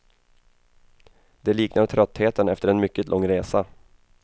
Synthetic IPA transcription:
d̪ɛliːknat̪ʰɾœt̪ːheːt̪ənɛft̪əɾɛnmʏkːət̪lʔɔŋːɾeːsa

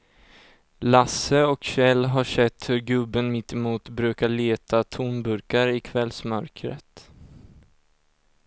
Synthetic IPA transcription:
lasəɔkɕɛlːɦaʂɛt̪ːhɵɾɡɵbːənmɪt̪ːɪmuːt̪bɾʉ̟ːkaɭeːt̪ʰat̪ʰuːnbɵɾkaɾɪkʰvɛlsmœɾkɾə̰t̪

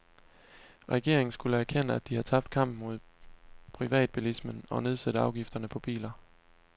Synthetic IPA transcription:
ʁɛɡ̥e̝̰ɐe̝ŋn̩sɡ̥uləæɐkʰen̰əæd̥ihɑ̈t͡sʰɑ̈b̥d̥kʰɑ̈m̰b̥mo̝ð̞̰ˠpʰʁiʋɛ̰ːd̥̚b̥ilismənɒ̽ne̝ð̞ˠsæd̥əɑ̈ʊɡ̥ifd̥ɐnəpʰɒ̽b̥ḭːlɐ

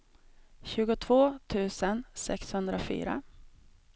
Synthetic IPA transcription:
ɕʉ̟ːɡʊt̪ʰvoːt̪ʰʉ̟ːsənsɛ̰kshɵnd̪ɾafy̰ːɾa̰

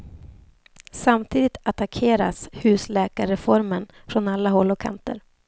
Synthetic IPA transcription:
samt̪ʰiːd̪ɪt̪at̪akʰeːɾa̰shʉ̟ːslɛːkaɾɛfɔɾmən | fɾɔnalːaɦɔlːɔkʰa̰nt̪ə̰ɾ

